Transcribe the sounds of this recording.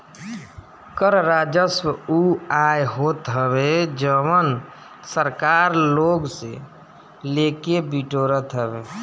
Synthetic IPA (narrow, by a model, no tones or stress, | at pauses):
kəɾɾad͡ʒəswuajɦot̪ɦəbed͡ʒəwən | səɾkaːɾloːɡse | lekebiʈoːɾət̪ɦəbeː